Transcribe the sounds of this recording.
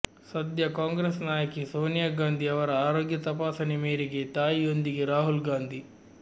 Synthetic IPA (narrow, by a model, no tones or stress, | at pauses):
sɐd̪jɐkaːŋɡɾesnaːjɐkisoːnijaːɡaːnd̪ʱiɐʋɐɾɐaːɾoːɡjɐt̪ɐpaːsɐnemeːɾeɡet̪aːjiond̪iɡeɾaːɦulɡaːnd̪ʱi